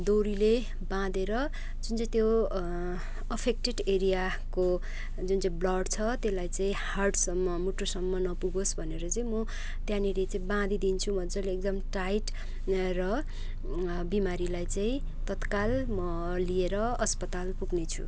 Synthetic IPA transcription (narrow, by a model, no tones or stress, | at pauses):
d̪oɾile | bãd̪eɾʌ | d͡zunt͡saĩt̪jo | ʌpʰek̚ʈeɖeɾija | ko | d͡zunt͡saĩblʌɖt͡sʰʌt̪elajt͡saĩharɖsʌmːʌmuʈːosʌmːʌnʌpuɡosbʱʌneɾʌt͡saĩmʌ | t̪jãnilet͡saĩbãd̪id̪int͡sʰumʌd͡zʌleek̚d̪ʌmʈajʈ | rʌ | bimaɾilajt͡saĩ | t̪ʌt̪kalmʌ | lieɾʌʌspʌt̪alpuɡnet͡sʰṵ